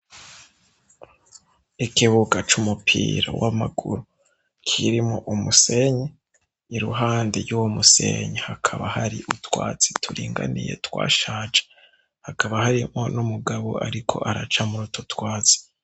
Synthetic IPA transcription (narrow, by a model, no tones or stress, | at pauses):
ikiβuɡat͡ʃumupʰḭːɾa̰wamaɡuɾu | kʰiɾimoʔumuseɲe | iɾṵɦaːndiɾjuwomusḛɲehakʰaβahaɾiʔutwaːt͡si̥tʰuɾiːŋɡanije̞̰twa̰ːʃaːt͡ʃe̥ | hakʰaβahaɾimonumuɡaβo̰aɾikʰo̞̰ʔaɾat͡ʃamuɾutotwaːt͡si̥